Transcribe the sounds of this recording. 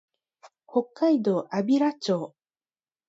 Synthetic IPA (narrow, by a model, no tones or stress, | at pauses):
ho̞kːaid̪o̞ːʔabʲiɾat͡ɕo̞ː